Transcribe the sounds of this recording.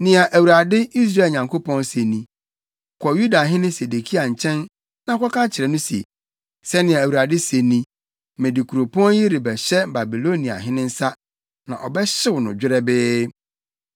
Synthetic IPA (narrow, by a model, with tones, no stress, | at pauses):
nɪ̃˨a˨ʔæ˨wu˨ɾa˨dɪ˦i˦s̬ɾa˦˨ɲã˨ŋkʰo˦pɔ̃˦nse˨nĩ˨ | kʷʰɔ˨ju˦da˨ɦɪ̃˦nɪ̃˦se˨de˨kʰi˦a˨ɲ̩˨t͡ɕʰɛ̃˦n | nã˨˦kʰʷɔ˦kʰã˦t͡ɕʰɪ˨ɾɛ˨nʊ̃˦si˨ḛ˨ | sɛ˦nɪ̃˨a˨æ˨wu˨ɾa˨dɪ˦se˨nĩ˦ | mɛ̃˨di˨kʰu˨ɾo˨pʰɔ̃˦nji˦ɾi˨bɛ˨ɕɛ˦ba˨bi˨lo˦nĩ˨a̰˨ɦɪ̃˦nɪ̃˦n̩˦sa˦ | nã˨ʔɔ˨bɛ˦ɕɪ˦wnʊ̰̃˨d͡ʑᶣɪ˦ɾɛ˦bɪː˦